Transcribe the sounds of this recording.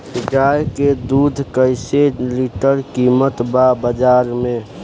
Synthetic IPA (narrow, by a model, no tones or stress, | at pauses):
ɪɡaːjked̪uːd̪ʱkəɪseliʈəɾkiːmət̪babəd͡ʒaːɾmẽ